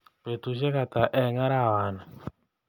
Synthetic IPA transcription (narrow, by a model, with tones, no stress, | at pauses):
pe˨tu˨ʃ̬ɛ˦ka˨ta˨ʔɛ˨ŋa˦ɾa˦˨wa˨na˨